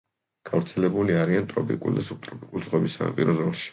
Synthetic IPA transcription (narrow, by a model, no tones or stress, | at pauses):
ɡ̥avɾt̪sʰɛlɛbuliaɾiant̪ʼɾɔpʼḭkʼṵld̪asut̪ʼɾɔpʼikʼulˠzʁwɛbisaa̰pʼiɾɔzɔlˠʃi̥